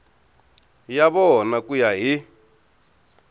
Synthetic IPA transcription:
jaβɔnakujaɦi

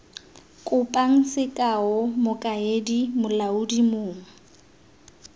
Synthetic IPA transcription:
kʼʊpʼaŋ̩sɪkʼaʊmʊkʼaedimʊlaudimʊːŋ̩

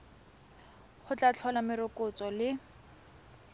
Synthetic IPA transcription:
χʊt͡ɬat͡ɬʰɔlamɪɾʊkʼʊt͡sɔlɪ

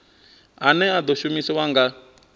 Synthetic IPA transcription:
ɦanɛad̪ɔʃumisɛwaŋɡa

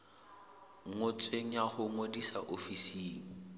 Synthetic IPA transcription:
ŋŋʊt͡sʼweŋ̩jahʊŋodisaʔofisiːŋ̩

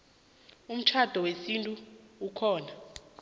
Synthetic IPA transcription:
um̩t͡ʃʰad̥ʱɔwesintʼuukʰɔːna

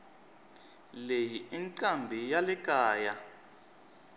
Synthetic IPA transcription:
lejiiŋǀambʱijalɛkʼaːja

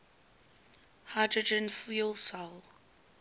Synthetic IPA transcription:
hadɹəd͡ʒə̃nfilˠsalˠ

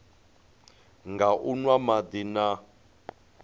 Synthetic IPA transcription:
ŋɡaʔunwamad̪ina

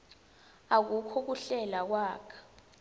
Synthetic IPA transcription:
ak̬ukʰɔk̬uɬɛlak̬waːkʰḁ

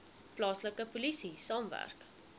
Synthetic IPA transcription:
plɑːsləkəpulisisɑːmvæ̰rk

